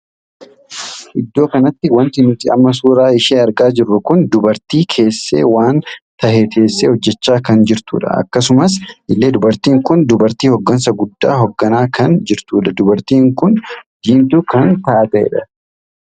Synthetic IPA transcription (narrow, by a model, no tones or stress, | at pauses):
ʔɪd̪ːo̞ːkɐnɐt̪ːɪwɐnt̪ɪnʊt̪ːɪɐ̰mːɐs̬uːɾaːɪʃeːɐɾɡaːd͡ʒɪrːʊkʊnd̪ʊbɐɾt̪iːkʰe̞ːsːḛːwaːnt̪ɐheːt̪e̞ːsːeːhɔd͡ʒːɛt͡ʃːaːkɐnd͡ʒɪɾt̪ṵːᶑɐ̰ɐ̰kːɐsʊmɐs̬ʔɪlːe̞ːd̪ʊbɐɾt̪iːŋkʊnd̪ʊbɐɾt̪iːhɔɡːɐns̬ɐɡʊd̪ːaːɦɔɡːɐnaːkɐnd͡ʒɪɾt̪uːᶑɐd̪ʊbɐɾt̪iːŋkʊnd̪̥iːmt̪ʊkɐnt̪aːt̪ɐɛ̰ᶑɐ̥